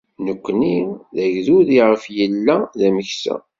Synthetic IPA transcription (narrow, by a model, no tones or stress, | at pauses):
nəkʷːniðæʝðuðiʁəfjəlːæðæməçsæ̰